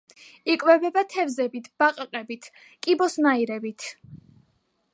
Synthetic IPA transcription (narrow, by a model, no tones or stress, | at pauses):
ikʼwɛvɛbat̪ʰɛvzɛbit̪ʰb̥aqʼqʼɛbit̪ʰ | kʼibɔsnaiɾɛbit̪ʰ